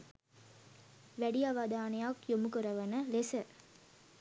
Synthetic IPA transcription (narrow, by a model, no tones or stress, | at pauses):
ʋæɽiɐʋaːd̪aːnɐjaːkjomukɯɾɐʋɐnɐlesɨ